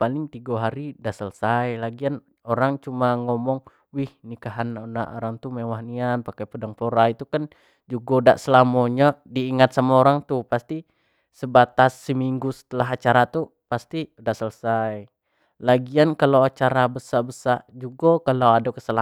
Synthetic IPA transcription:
palɪŋt̪iɡaɦaɾidaʔsələsajlaɡian | oɾaŋt͡ʃumaŋomɔŋ | wihnikaɦanona̰ʔoɾaŋt̪umewahnianpakapədaŋpoɾait̪ukan | d͡ʒuɡɔda̰ʔsəlamoɲadiːŋat̪̚samaoɾaŋt̪upast̪i | səbat̪asːəmiŋɡusə̥t̪əlaɦat͡ʃaɾat̪u | past̪idaʔsələsaj | laɡiankalawat͡ʃaɾabəsabəsaʔd͡ʒuɡakalawadakəsala

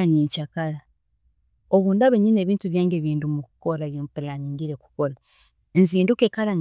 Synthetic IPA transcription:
anicakala | oβuːndaβeɲine̞ːβiːntuβjaːŋɡeβiːndumukukolaβjempelaniːŋɡiɾeku̥kola | nziːndukekalan

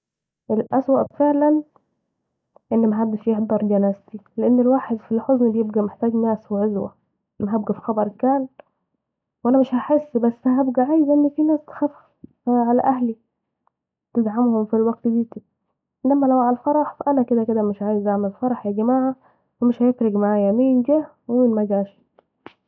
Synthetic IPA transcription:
ʔelʔæswæʔfeʕlæn | ʔenːmæɦad̪ːɪʃjeħd̪ˤɑɾˤd͡ʒænæːst̪ileʔenːelwaːħed̪filħoznibejeb̚ɡæmeħt̪æːɡnæːsweʕezwæ̰ | mæɦæb̚ɡæfi̥xɑbɑɾˤkæːn | wʔænæmɪʃhæħesːbæsːɦæbɡæʕaːjɪzʔenːfiːnæːst̪xæf | ʕalæʔæhli | t̪ɪzʕamhʊmfilwaɡ̚t̪d̪iːt̪i | næmːælawʕalfɑɾˤɑħfʔænæked̪æked̪æmɪʃʕaːjɪzʔaʕmalfɑɾˤɑħjaɡamaːʕa | wmɪʃhæjɪfɾɪɡmaʕaːjæmiːnɡæhwmiːnmæɡʕaːʃi̥

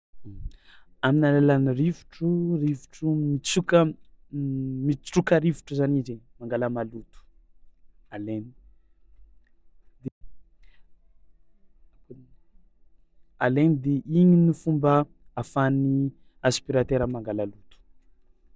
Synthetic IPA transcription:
aminalalaniɾivuʈ͡ʂurivuʈ͡ʂumit͡sukə | mit͡sʈ͡ʂukaɾivu̥ʈ͡ʂuzanizemaŋɡaləmalut̪u̥ | aleni | d̪ | k | alenid̪eʔiɲinifumbə | afani | aspiɾat̪eɾəmaŋɡalalut̪u̥

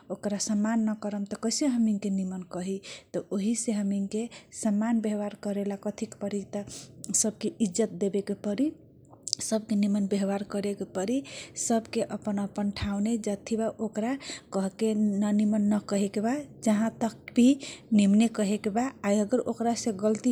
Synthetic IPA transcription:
okɾasəmːanːəkəɾəmt̪ɔkəseɦəmiŋkenimənkəɦit̪ɔʔoɦiseɦəminkesəmːanbeɦbaɾkəɾelakət̪ʰikpəɾit̪ɔsəbkeʔid͡ʒət̪̚d̪ebekepəɾi | səb̚kenimənbeɦbaɾkəɾekepəɾisəbʱkeʔəpənəpənʈʰauned͡ʒət̪ʰːibaʔokɾakəɦkenənimənːəkəɦekebad͡ʒəɦãt̪əkbʱinimnekəɦekebaːjəɡəɾokɾasẽɡəlt̪i

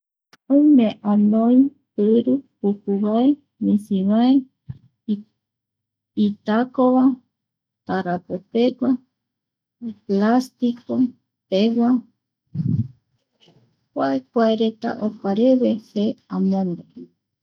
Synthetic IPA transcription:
omẽʔanoi | pɨɾupukuβae | mĩsiβae | it̪akoβa | t̪aɾapopekʷa | plast̪iko | pewa | kʷaekʷaeɾet̪a̰ʔokaɾeβeheamõnd̪e

